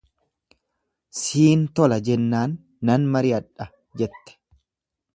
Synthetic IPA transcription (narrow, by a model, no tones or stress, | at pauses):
siːnt̪ɔlɐd͡ʒɛnːaːnː | ɐnmɐɾɪɐᶑɐ | d͡ʒɛt̪ːɛ̥